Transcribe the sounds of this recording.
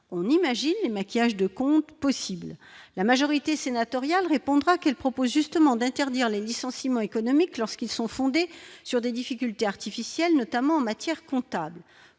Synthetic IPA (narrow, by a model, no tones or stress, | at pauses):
ɔ̃nimaʒinlemakʲijaʒd̪əkɔ̃t̪pɔsibllamaʒɔʁit̪esenat̪ɔʁjalʁepɔ̃d̪ʁakɛlpχɔpozʒyst̪əmɑ̃d̪ɛ̃t̪ɛʁd̪iʁlelisɑ̃simɑ̃ekɔnɔmiklɔʁskilsɔ̃fɔ̃d̪esyʁd̪ed̪ifikʲylt̪eaʁt̪ifisjɛlnɔt̪amɑ̃ɑ̃mat̪jɛʁkɔ̃t̪abl